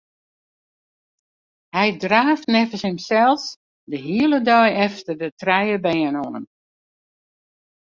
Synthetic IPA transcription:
hɛjdraːftnɛfəshɪmsɛlˠs | dəɦiəlˠədœjɛftərdətrɛjəbɛːənonəm

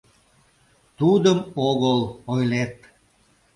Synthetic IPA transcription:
t̪ud̪əmoɣəlojlet̪̚

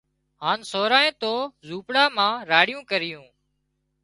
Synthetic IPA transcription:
ɦaːnsoːɾaːẽːt̪oːzuːpɽaːmãːɾaːɽɪjũːkəɾɪjũː

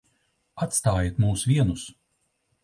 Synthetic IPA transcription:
at̪st̪aːjit̪muːsvʲiɛnus

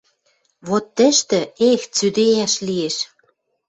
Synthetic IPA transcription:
βot̪ːə̆ʃt̪ɘ̆ext͡syd̪ejæʃlieʃ

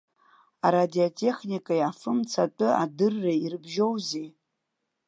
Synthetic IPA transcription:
aɾadiotʼe̞χnikʼajafɨmt͡sʰatʼɨa̰dɨrːairbʒo̞wzej

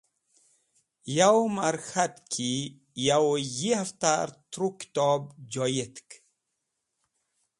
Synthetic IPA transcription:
jawmaɾxat̪kʰi | jawjihaft̪aɾt̪ɾuki̥t̪ɔbd͡ʒɔjet̪k

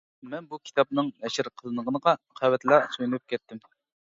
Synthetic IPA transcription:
mɛnbukʲʰi̥t̪ʰɑp̚nɨŋnɛʃɪɾqʰəlˠɨnəʁənəʁɑqʰɑwɛt̪lˠɑsojlup̚kʲʰɛt̪ːɪm

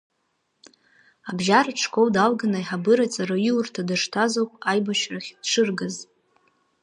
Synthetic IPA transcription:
abʒaɾaʈ͡ʂʰkʷʰowdalɡanajħabɨɾat͡sʼaɾaiwrtʰadaʂtʰazowkʼajbaʃraχʲdʂɨrɡaz

